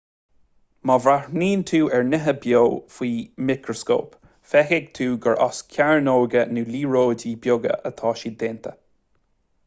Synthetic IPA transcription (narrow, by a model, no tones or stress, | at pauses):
mɔvɾaɹniːnt̪ʰuːʔɛɹnɪɦəbjoːwfwiːmɪkɹɔsko̰ːp | fɛxɪɡ̚t̪ʰuːɡəɹʔɔ̰skʲʰjaɹnoːɡənuːliːɹoːdiːbjoɡə̰ʔət̪ʰɑːʃiːd̪ent̪ʰə